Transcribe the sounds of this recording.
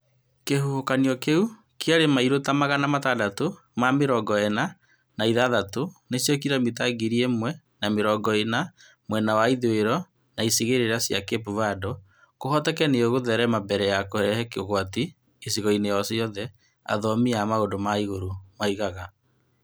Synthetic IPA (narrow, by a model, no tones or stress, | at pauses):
keɦohokaniɔkeu | keaɾemaiɾotamaɣanamatadato | mameɾɔɡɔɛna | naiðaðatonesjɔk̬iɾamitaɡiɾiemwɛ | nameɾɔɡɔena | mwɛnawaiðoeɾɔ | naisiɣeɾeɾasjakepuvadɔ | kohɔtɛkɛneoɣoðɛɾɛmabɛɾɛjakohɛɾɛhɛkeoɣwatiː | siɣɔinejɔsiɔðɛ | a̰ðɔmiamaodomaiɣoɾomaiɣaɣa